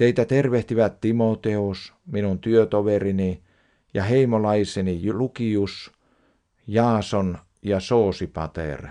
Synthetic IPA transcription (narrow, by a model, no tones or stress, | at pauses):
t̪eit̪æt̪erʋeht̪iʋæt̪t̪imot̪eus | minunt̪yøt̪oʋerini | jɑheimolɑisenijlukius | jɑːson | jɑsoːsipɑ̰t̪ḛr